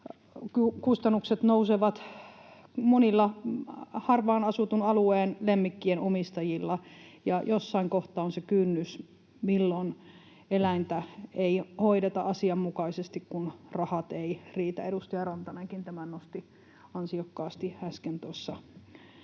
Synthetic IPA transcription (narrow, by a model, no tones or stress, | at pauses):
kykust̪ɑnːukset̪nouseʋɑt̪ | monilːɑ | hɑrʋɑːnɑsut̪unɑlueːnlemːikːienomist̪ɑjilːɑjɑjosːɑiŋkoht̪ɑonsekynːys | milːon | elæint̪æeihoiɾet̪ɑʔɑsiɑmmukɑisest̪ikkunrɑhɑt̪eiriːt̪æ̰eɾust̪ɑjɑrɑnt̪ɑneŋkint̪æmænnost̪i | ɑnsiokːɑːst̪ihæskent̪uɑsːɑ